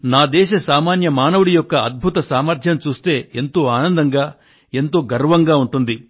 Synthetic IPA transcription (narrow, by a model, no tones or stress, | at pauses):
naːd̪ɛːʃɐsaːmaːnjɐmaːnɐʋuɽijɔkːɐɐd̪̚bʱut̪ɐsaːmɐɾt̪ʰjɐmt͡ʃuːst̪e̞ːe̞nt̪o̞ːaːnɐnd̪ɐŋɡaː | e̞nt̪o̞ːɡɐɾʋɐŋɡaːuɳʈund̪i